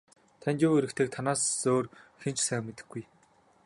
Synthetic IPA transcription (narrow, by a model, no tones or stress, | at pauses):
t̪ʰænʲt͡ɕʊweɾɘ̆kt̪ʰeːk̚t̪ʰanaːsoːrxent͡ɕsæːmmet̪ɘ̆ɡuj